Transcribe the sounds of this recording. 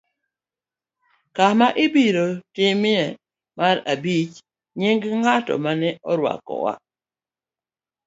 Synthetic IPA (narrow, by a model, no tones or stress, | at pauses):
kamaʔɪbiɾotɪmɪɛ | maɾabit͡ʃ | ɲɪŋɡŋatɔ̰manɛʔɔɾwa̰kɔ̰wa̰